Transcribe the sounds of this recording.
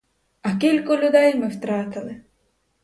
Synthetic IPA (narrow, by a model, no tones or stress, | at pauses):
ɐkʲilʲkɔlʲʊd̪ɛjmɪwt̪ɾɑt̪ɪlˠɪ